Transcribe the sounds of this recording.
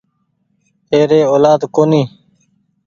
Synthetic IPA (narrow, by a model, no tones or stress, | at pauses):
eːɾeːoːlaːd̪koːniː